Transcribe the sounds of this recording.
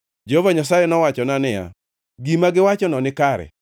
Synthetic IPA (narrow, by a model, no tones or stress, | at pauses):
d͡ʒeɦovaɲas̬ajɛnɔwat͡ʃɔnanɪja̰ | ɡimaɡɪwat͡ʃɔnɔnɪkaɾɛ̰